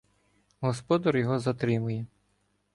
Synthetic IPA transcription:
ɦɔspɔd̪ɐɾjɔɦɔzɐt̪ɾɪmʊjɛ

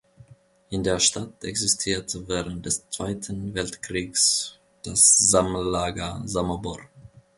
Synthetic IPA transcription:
ʔɪndeːɐʃtatɛksɪstʰiːɐtʰəvɛːʁənt̚d̥ɛst͡sv̥aɪtʰn̩vɛltkʁ̥iːks | d̥asz̥amllaːɡɐzamɐbɔ̰

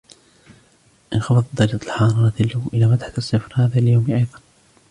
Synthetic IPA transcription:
ʔɪnxɑfɑðˤd̪ˤːɑɑt̪ˤlħɑːɾˤɑɾˤɑt̪ɪlːʊʔɪlaːmad̪ħasˤːɨfɾhaːðaljawmiʔɑjðˤɑn

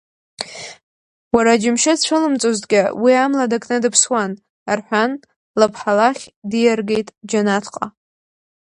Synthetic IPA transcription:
waɾad͡ʒɪmʃɪdt͡ʃʷʰɨlɨmt͡sʼozdɡʲɪwiamladakʼʰnɨdɨpʰswan | arħʷᶣan | lapʰħalaχʲdijarɡe̞jtʼd͡ʒanatʰqʼa̰

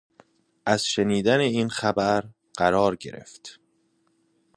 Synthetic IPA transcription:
ʔæz̥ʃe̞niːd̪æneiːnxæbæɾ | ɢ̥æɾɒːɾɟe̞̰ɾe̞̰ft̪

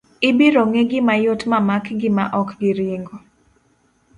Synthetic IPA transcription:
ɪbiɾoŋeɡɪmajotmamakɡɪmaʔɔkɡɪɾjeŋɡo

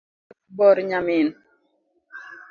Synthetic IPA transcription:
bɔɾɲamɪn

